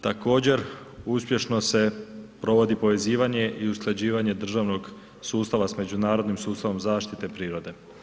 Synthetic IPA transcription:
t̪ako̞ːd͡ʑe̞ɾ | uspʲje̞ʃno̞se̞pɾo̞ʋo̞d̪ipo̞ʋe̞ziːʋaɲe̞ʔiusklˠed͡ʑiːʋaɲe̞d̪r̩ʒaʋno̞ɡ | suːst̪aʋasme̞d͡ʑunaːɾo̞d̪nimsuːst̪aʋo̞mzaːʃt̪it̪e̞pɾiːɾo̞d̪e̞

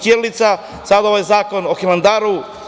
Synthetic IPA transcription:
kjeɾlit̪sa | sad̪aoʋajzaːko̞noximand̪aːɾu

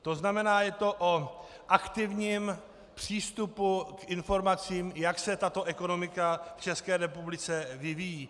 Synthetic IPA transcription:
t̪o̞znamɛnaːjɛt̪o̞ʔo | ʔakt̪ɪvɲiːm | pr̝̥iːst̪upukɪnfo̞ɾmat͡siːmjaksɛt̪at̪o̞ʔɛko̞no̞mɪkaft͡ʃɛskɛːɾɛpublɪt͡sɛvɪvijiː

